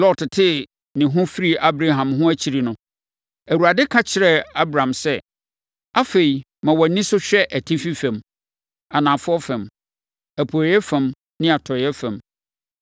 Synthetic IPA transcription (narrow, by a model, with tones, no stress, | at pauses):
lɔ˦tʰɪ˨tʰɪ˦ | nɪ̃˨ɦʊ̃˦fi˦ɾi˦ʔa˦bɾa˨ɦã˨mɦʊ̃˦æ˦t͡ɕʰi˨ɾi˨nʊ̃˦ | æ˨wu˨ɾa˨dɪ˦kʰa˦t͡ɕʰɪ˨ɾɛ˦a˦bɾã˨msɛ˦ | a˦fe˨i˨ | mã˨wɔ˨nɪ̃˦sʊ˦ɕᶣɛ˦ʔæ˨tʰi˦fi˦fæ̃˨m | a˨nã˨fʊ˦ɔ˦fɛ̃˨m | æ˨pʰu˨jɛ˦fæ̃˨m | nɪ̃˦a˨tʰɔ˨ɛ˦fæ̃˨m